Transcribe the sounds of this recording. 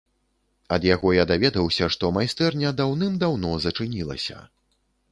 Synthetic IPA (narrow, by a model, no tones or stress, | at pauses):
ɐd̪jaɣɔjad̪avʲɛd̪ɐwsʲɐʂt̪ɔmajst̪ɛrnʲɐd̪awnɨmd̪awnɔzɐt͡ʂɨnʲilˠɐ̰sʲɐ̰